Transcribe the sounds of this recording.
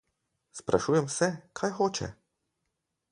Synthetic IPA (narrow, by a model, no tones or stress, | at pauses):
spɾʔa̰ʃuːjɛmsɛkʰajxoːt͡ʃɛ̰